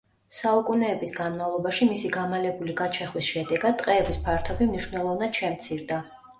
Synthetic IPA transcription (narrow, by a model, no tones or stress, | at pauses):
saukʼunɛːbisɡanmavlˠɔbaʃimisiɡamalɛbuliɡat͡ʃʰɛχwisʃɛd̪ɛɡad̪ːʼqʼɛːbispʰaɾt̪ʰɔbimniʃwnɛlˠɔvnad̪̥ʃɛmt̪sʰiɾd̪a